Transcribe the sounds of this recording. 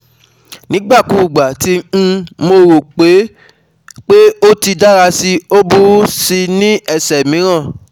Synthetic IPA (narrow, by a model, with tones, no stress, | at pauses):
nĩ˨˦ɡ͡ba˦˨ku˧˨ɡ͡ba˨tĩ˧˦˧mo˧ɾo˨k͡pe˨˦ | k͡pe˦o˦ti˧da˦ɾa˧si˧o˦bu˦si˧nĩ˦ɛ˦˨sɛ˨mĩ˨˦ɾ̃ã˦˨